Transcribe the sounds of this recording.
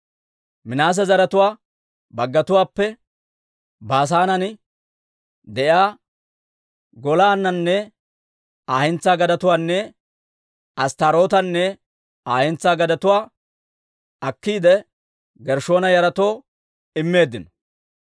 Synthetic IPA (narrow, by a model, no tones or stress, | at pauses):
mɪnaːs̬ɛzɐɾɐt̪ʊwaː | bɐɡːɐt̪ʊwaːpːɛ | baːs̬aːnɐnɪ | d̪ɛʔjaː | ɡɔlaːnːɐnːɛ | aːhɪnt͡sːaːɡɐd̪ɐt̪ʊwaːnːɛ | ɐst̪ɐɾo̞ːt̪ɐnːɛ | aːhɪnt͡sːaːɡɐd̪ɐt̪ʊwaː | ɐkːiːd̪ɛ | ɡɛɾʃo̞ːnɐjɐɾɐt̪o̞ː | ɪmːe̞ːd̪ːɪnɔ̥